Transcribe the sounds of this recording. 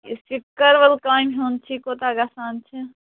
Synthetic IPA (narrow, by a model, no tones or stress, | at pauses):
ḭskikəɾʋəlkaːjmɦont͡ʃʰikot̪aɡasaːnt͡ʃʰɛ